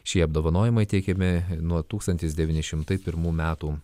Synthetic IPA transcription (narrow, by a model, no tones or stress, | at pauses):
ʃʲiɛɐbd̪oːʋɐnoːjɪmɐɪt̪ʲɛɪkʲɛmʲɪnuɔt̪uːkst̪ɐnʲt̪ʲɪs̬d̪ʲɛʋʲiːnʲɪʃʲɪmt̪ɐɪpʲɪɾmuːmʲæːt̪uː